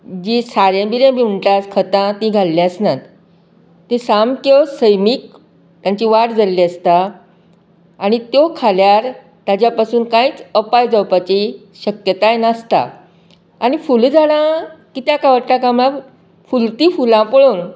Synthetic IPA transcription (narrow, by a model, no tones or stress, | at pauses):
d͡ʑisaɾjãbiɾẽbiːm̤əɳʈ̪askʰət̪ãt̪ĩɡʱalːãsnat̪ː | ẽsamkəsəjmiːk̚ | t̪jaɲt͡ɕiʋaɽd͡zalːiəst̪a | ñit̪jokʰaljaɾ | t̪at͡ɕjapasuːnkãiːt͡səpajd͡zəwpat͡ɕi | ɕəkjət̪ajnast̪a̰ | aɽ̃ifuld͡zaɽãkit̪jakaʋəɾʈ̪akamla | fult̪iːfulãpəɭuːn